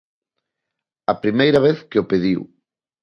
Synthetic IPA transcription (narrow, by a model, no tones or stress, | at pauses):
ɐpɾimejɾɐβeθkeopeðiw